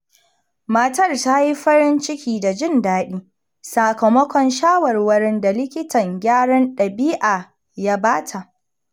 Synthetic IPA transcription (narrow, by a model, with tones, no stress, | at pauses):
mɐ˦tɐ˦˨rta˦ji˦ɸɐ˦ɾɪ˦nt͡ʃɪ˦kʲiː˦˨da˨d͡ʒɪ˦˨ndaː˦ɗiː˦ | sa˨kɐ˨mɔ˦kʷɔ˨nʃaː˦wɐ˨rwɐ˦ɽɪ˦nda˨lɪ˦kʲɪ˦tɐ˨ŋɡʲaː˦ɽɐ˦nɗɐ˨biː˦ʔaː˨ | ja˦baː˦tʰa˨ʔ